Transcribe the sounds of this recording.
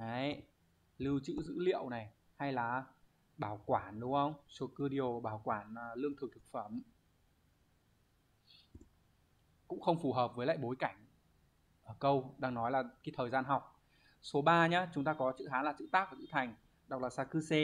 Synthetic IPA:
a˨˦j | lɨ˧wt͡ɕɨ̰˧˥zɨ̰˧˥lḭ˧˨əwna˨˩j | ha˧jlaː˨˩ | ɓaː˧˩wkwaː˧˩nɗʊ˨˦ŋ͡mhə˧wŋ͡mso˨˦kɨ˧ɗi˨o˨˩ɓaː˧˩wkwaː˧˩nː˨˩lɨ˧əŋt̪ʰɨ˨˩k̚t̪ʰɨ̥˨˩k̚fə˧˩m | kʊ̰˧˥ŋ͡mxə˧wŋ͡mfu˧˩ɦəː˨˩p̚vəː˨˦jla̰ː˧˨jɓo˨˦jka˧˩jŋ̟ | ʔəː˧˩kə˧wɗaː˧ŋnɔ˨˦jlaː˨˩kaː˨˦t̪ʰəː˨˩jzaː˧nɦa˨˩wk͡p̚ | so˨˦ɓaː˧ɲaː˨˦t͡ɕʊ˨˦ŋ͡mt̪aː˧kɔ˨˦t͡ɕɨ̰˧˥ɦaː˨˦nlaː˨˩t͡ɕɨ̰˧˥t̪aː˦˥k̚vaː˨˩zɨ̰˧˥t̪ʰa˨˩jŋ̟ | ɗa˨˩k͡p̚laː˨˩saː˧kɨ˧se˧

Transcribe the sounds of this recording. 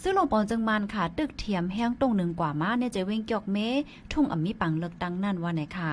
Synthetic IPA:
sɯ˧˥˨lo˧˨ŋpɔː˨˦nt͡sɯ˧ŋmaː˧˨nkʰa˧˩t̪ɯ˧˩k̚t̪ʰi˨˧˦əmɦɛː˧˥˨ŋt̪o˧˩˨ŋnɯ˨˧˩ŋkwaː˨˩maː˧˥˨nː˧˨t͡ɕa˧˩we˧˥˨ŋkjɔ˧˩k̚meː˧˥˨ | t̪ʰu˧˩˨ŋʔa̰˨˩mːiː˧˥pa˨˦ŋlɤː˧˩k̚t̪a˧ŋna˧˥˨nwaː˧˩na˨˩kʰa˧˩

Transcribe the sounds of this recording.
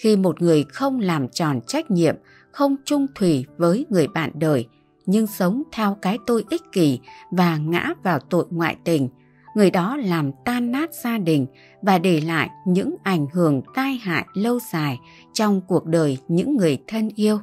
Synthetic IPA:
xi˧mo˨˩t̚ŋɨ˨˩əjxə˧wŋ͡mlaː˨˩mt͡ɕɔ˨˩nt͡ɕa˦˥k̟̚ɲḭ˧˨əm | xə˧wŋ͡mt͡ɕʊ˧ŋ͡mt̪ʰwi˨˩vəː˨˦jŋɨ˨˩əjɓa̰ː˧˨nɗəː˨˩j | ɲɨ˧ŋsə˨˦wŋ͡mt̪ʰɛ˧wkaː˨˦jt̪o˧jʔi˦˥k̚ki˨˩vaː˨˩ŋa̰ː˧˥vaː˨˩wt̪o̰˧˨jŋwa̰ː˧˨jt̪ï˨˩ŋ̟ | ŋɨ˨˩əjɗɔ˨˦laː˨˩mt̪aː˧nːaː˦˥t̚z̥aː˧ɗï˨˩ŋ̟ | vaː˨˩ɗe˧˩la̰ː˧˨jɲɨ̰˧˥ŋʔa˧˩jŋ̟ɦɨ˧˩əŋt̪aː˧jɦa̰ː˧˨jlə˧wzaː˨˩j | t͡ɕɔ˧wŋ͡mku˨˩ək̚ɗəː˨˩jɲɨ̰˧˥ŋːɨ˨˩əjt̪ʰə˧nʔi˧əw

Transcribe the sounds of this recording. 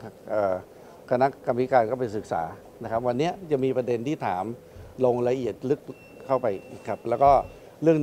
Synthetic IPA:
ʔɤː˨˩ | kʰa˧na˦˥ka˧mi˦˥kaː˧nkɔː˥˩pa˧jsɯ˨˩k̚sa̰ː˩˦ | na˦˥kʰa˦˥p̚wa˧nːi˦˥ɐt͡ɕa˨˩ŋmiː˧pɾa˧de˧nt̪ʰiː˥˩t̪ʰaː˩˦m | lo˧ŋla˧ʔi˨˩ət̪̚lɯ˦˥k̚ | kʰːa˥˩wpa˧jkʰa˦˥p̚lɛː˦˥wkɔː˥˩ | ɾɯ˥˩əŋ

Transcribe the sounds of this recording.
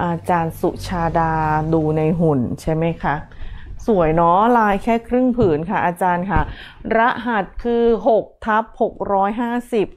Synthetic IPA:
ʔaː˧t͡ɕaː˧nsu˨˩ʔt͡ɕʰaː˧daː˧duː˧na˧jɦu˨˩nt͡ɕʰa˥˩jma˦˥jkʰa˦˥su˩˦əjnɔ˦˥laː˧jkʰɛː˥˩kʰɾɯ˥˩ŋpʰɯː˩˦nkʰa˥˩ʔaː˧t͡ɕaː˧nkʰa˥˩ɾa˦˥ʔɦa˨˩t̪̚kʰɯː˧ɦo˨˩k̚t̪ʰa˦˥p̚ho˨˩k̚ɾɔː˦˥jɦaː˥˩si˨˩p̚

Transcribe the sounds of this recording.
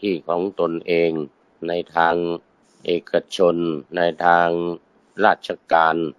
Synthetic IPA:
t̪ʰiː˧˩kʰɔː˩˦ŋt̪o˧nʔeː˨˧ŋ | na˧jt̪ʰaː˧ŋ | ʔeː˨˧˩kʰa˧t͡ɕʰo˧nːa˧jt̪ʰaː˧ŋ | ɾaː˥˩t̪̚t͡ɕʰa˧kaː˨˧n

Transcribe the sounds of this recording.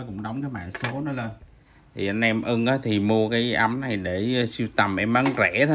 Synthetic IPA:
kʊ̰˧˥ŋ͡mɗə˨˦wŋ͡mkaː˨˦jɓa̰ː˧˨nso˨˦nɔ˨˦le˧n | t̪ʰi˨˩ʔa˧nʔɛ˧mʔɨ˧ŋʔaː˨˦t̪ʰi˨˩mu˧əkaː˨˦jʔə˧˦mna˨˩jɗe˧˩si˧wt̪ə˨˩mʔɛ˧mʔə˨˦ŋzɛ˧˩t̪ʰ

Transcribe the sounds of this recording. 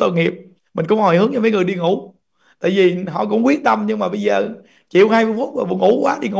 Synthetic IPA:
t̪o̰˧˨˩ŋi˨˩əp̚ | mï˨˩ŋ̟kʊ̰˧˥ŋ͡mhɔ˨˩jhɨ˨˦əŋɲ˧məː˨˦ŋɨ˨˩ə˩jɗi˧ŋʊ˧˩˥ | t̪a̰ː˧˨jvi˨˩ɦɔ̰˧˨kʊ̰˧˥wŋ͡mk̬wi˦˥ət̚t̪ə˧mɲɨ˧ŋmaː˨˩ɓə˧jzəː˨˩ | t͡ɕḭ˨˧˨əwhaː˧jmɨ˧əjfu˦˥t̚maː˨˩vṵ˧˩əŋṵ˧˩˦kwaː˨˦ɗi˧ŋu˧˦

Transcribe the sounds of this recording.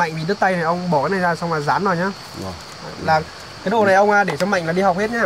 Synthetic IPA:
ma̰˧˨jŋ̟vḭ˨˩ɗɨ˦˥t̚t̪a˧jna˨˩jʔə˧wŋ͡mɓɔː˧˩kaː˨˦jna˨˩jzaː˧˩sa˧wŋ͡mlaː˨˩zaː˨˦nzɔ˨˩jɲaː˧˩˧ | laː˨˩ | kaː˨˦jɗo˨˩na˨˩jʔə˧wŋ͡mʔaː˧˩ɗe˧˩t͡ɕɔ˧ma̰˧˨ŋ̟laː˨˩ɗi˧hɔ˨˩k͡p̚he˦˥t̚ɲaː˧˩

